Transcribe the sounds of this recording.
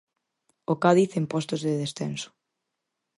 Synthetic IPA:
okaðiθempɔst̪ozðeðesθensʊ̥

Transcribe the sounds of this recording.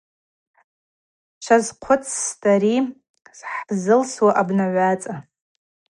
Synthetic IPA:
ʃʷʰazqʷʰʊt͡sʰstʰʼaɾi | sħzɨlswaʔabnaʕʷat͡sʼa

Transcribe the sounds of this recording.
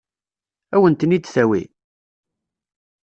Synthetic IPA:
æwənt̪ənid̪θæwḭ

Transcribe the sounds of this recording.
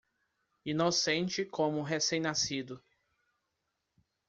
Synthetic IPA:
inosẽnt͡ʃɪkʰõmʊɦesẽj̃nasid̪ʊ

